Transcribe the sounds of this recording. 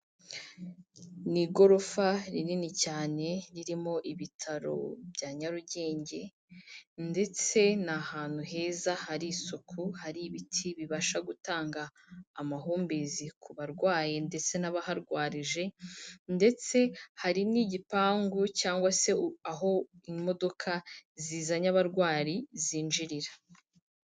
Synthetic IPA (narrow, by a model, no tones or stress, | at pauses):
niɡo̞ɾo̞faɾininicaːne̞ɾiɾimo̞ʔiβitʰaɾo̞̰bɟaːɲaɾuɟe̞ːɲɟe̞ | nde̞t͡se̞nahaːn̥huɦe̞ːzahaɾisokʰuhaɾiβitʰiβiβaʃaɡutaːŋɡaː | maɦuːmbezikʰuβaɾɡwaːje̞nde̞t͡se̞naβahaɾɡwaːɾiʒe̞nde̞t͡se̞haɾiniːɟipaːŋɡucaːŋɡwase̞aɦo̞imo̞do̞kʰaziːzaɲaβaɾɡwaːɾiziːnʒiɾiɾḁ